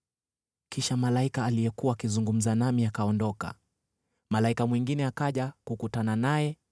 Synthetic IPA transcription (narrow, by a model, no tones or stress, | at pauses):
kiʃamalaikaːlijɛkuwaːkizuŋɡum̩zanamiakaɔndɔka̰ | malaikamwiŋɡinɛakaʄakukutananajɛ